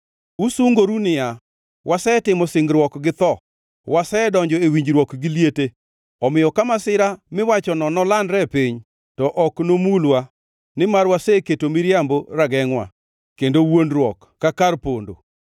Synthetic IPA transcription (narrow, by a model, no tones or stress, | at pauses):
usuŋɡoɾunɪja | wʔasɛtɪmɔsɪŋɡɾwɔkɡɪt̪ɔ | wʔasɛdɔɲd͡ʒɔewiɲd͡ʒɾwɔkɡɪljete | ɔmɪjɔkamasɪɾamɪwat͡ʃɔnɔnɔlandɾɛpiɲ | tɔʔɔknomulwa | nɪmarwaseketomɪɾjamboɾaɡɛŋwa̰ | kendowonrwɔkːakarpondo̰